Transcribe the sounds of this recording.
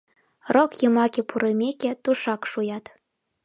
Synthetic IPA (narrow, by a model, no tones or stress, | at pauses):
rokjɤmɑkʲepuɾemʲekʲĕt̪uʃɑkʃujɑt̪